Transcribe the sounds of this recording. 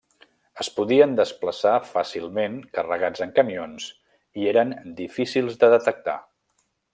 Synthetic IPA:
əspuðiənd̪əspləsafasilˠmenkərəɣad͡zəŋkəmions | ieɾənd̪ifisilˠzd̪əðət̪ək̚t̪a̰

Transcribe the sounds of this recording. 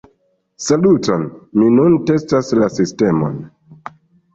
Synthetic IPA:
salutonminunte̞staslasiste̞mo̰n

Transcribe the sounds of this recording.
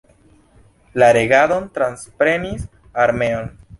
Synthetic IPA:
laɾeɡaðo̞nt̪ɾanspɾe̞nis | aɾme̞on

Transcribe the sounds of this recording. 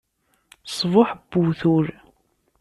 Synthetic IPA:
sˤvʊħb̥ːuθʊɾ

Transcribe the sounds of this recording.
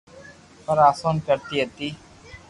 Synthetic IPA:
pəɾaːsoːnkəɾt̪iːɦət̪iː

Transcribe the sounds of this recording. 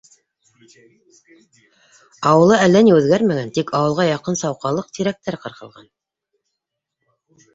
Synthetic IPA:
ɑwɤ̆lˠɤælːæniʉðɡæɾmæɡænt̪ikɑwɤ̆lˠʁɑjɑqɤnsɑwqɑlˠɤq̚t̪iɾæk̚t̪æɾqɤ̆ɾqɤ̆lˠʁɑ̰n

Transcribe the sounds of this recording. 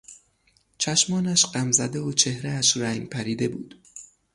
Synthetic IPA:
t͡ʃʰæʃmɒːnæʃɢæmzæd̪eot͡ʃʰe̞hɾeːʃɾæŋɡpʰæɾiːd̪e̞bṵːd̪̥

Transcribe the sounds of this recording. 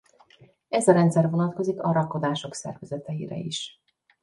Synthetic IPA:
ɛzɒɾɛnt̪sɛrvo̞nɒt̪ko̞zikɒɾɒkːo̞d̪aːʃo̞ksɛ̰rvɛzɛt̪ɛjḭɾɛ̰iʃ

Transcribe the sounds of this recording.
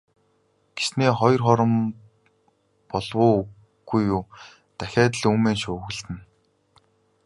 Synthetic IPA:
ɡ̥e̥sneːχɔjɞ̆rχɔɾɞ̆m | pɔɮwʊː | ɡ̥ujuː | t̪æxʲæːt̪̬ə̆ɮuːmeːnʃʊːɣɘ̆ɮt̪ɘ̆n

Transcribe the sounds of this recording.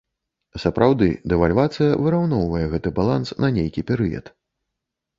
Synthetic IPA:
sɐpɾʔawd̪ɨ̰d̪ɛvalʲvat̪sɨjɐvɨɾawnɔwvɐjɛɣɛt̪ɨbalˠansnɐnʲejkʲipʲɛɾɨjɐ̰t̪

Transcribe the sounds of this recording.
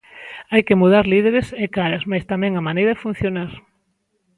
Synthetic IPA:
ajkɪmuð̞aɾliðeɾɪsekaɾasmajst̪amɛ̃ŋamanejɾɐðɪfun̟θjonaɾ

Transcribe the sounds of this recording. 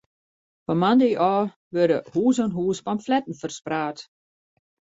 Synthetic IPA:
pɔmandiʔɔː | ʋødəhuːsɔnɦuːspamflɛtn̩fərspraːt

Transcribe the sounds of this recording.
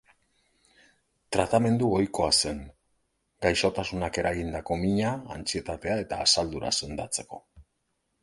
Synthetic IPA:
t̪ɾat̪ame̞nd̪uo̞jko̞ase̞ŋ | ɡajso̞t̪asunake̞ɾaɣind̪ako̞miɲaːnt͡sie̞t̪at̪e̞ae̞t̪aːsald̪uɾa̰se̞nd̪at͡se̞ko̞

